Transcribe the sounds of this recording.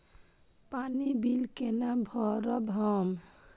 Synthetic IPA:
panibilkenabʱɔɾɔbʱɔm

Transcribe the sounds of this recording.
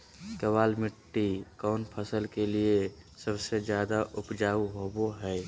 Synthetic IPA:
kəβaːlmɪʈːikɔːnpʰəsəlkeliesəbsed͡ʒjaːd̪aʔʊpd͡ʒaːuɦoboɦɛː

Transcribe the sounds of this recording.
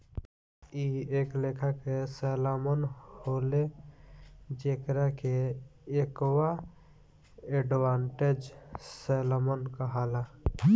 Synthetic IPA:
ieːklekʰakesɛlamənhole | d͡ʒeːkɾakeekwa | eɖwaːɳʈed͡ʒselamənkəɦala

